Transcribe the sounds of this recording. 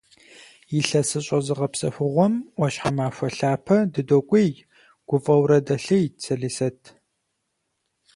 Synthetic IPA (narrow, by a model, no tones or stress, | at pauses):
jɪɬɐsɨɕʼɐzɨʁɐpsɐ̰xʷʊʁʷɔmʔʷɔɕħamaːɕʷɐɬaːpʰɐdɨdokʷʼij | ɡ̥ʷʊfʼɐwɾɐdɐɬɨjt͡sʰɐɮiːsɐtʰ